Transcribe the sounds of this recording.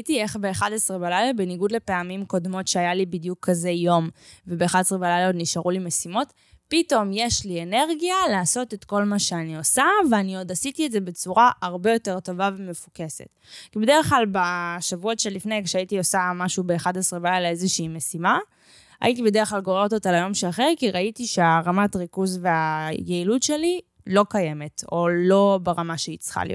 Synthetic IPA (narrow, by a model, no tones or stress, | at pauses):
itieχbeːχadasʁebalajlabeniɡudle̞pe̞amimko̞dmo̞tʃeajalibidjukʰːazejo̞mvebeːχadesʁebalajlaod̪niʃaʁulimesimo̞t | pito̞mje̞ʃliene̞ʁɡialaːso̞te̞tko̞lmaʃe̞anio̞saveanio̞dasitiedze̞be̞t͡suʁaʔaʁbe̞jo̞te̞ʁto̞vaveme̞fuke̞sḛt | kibed̪eʁeχklalbaʃavuotʃelifnejkʃeaitiosamaʃubeːχadasʁevajaleezeʃiːme̞sima | a̰jit̬ibe̞deʁeχlalɡo̞ʁeʁototalajomʃeaχeʁkiʁaitiʃeaʁamatʁikuzve̞ajeilutʃe̞li | lo̞kaje̞me̞to̞lo̞beʁamaʃeit͡sχa̰lḭ